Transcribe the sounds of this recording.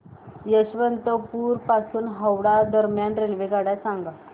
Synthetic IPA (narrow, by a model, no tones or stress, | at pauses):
jəɕʋənt̪əpuɾpasuːnɦəwɽad̪əɾmjanɾelʋekaɽjasãŋɡa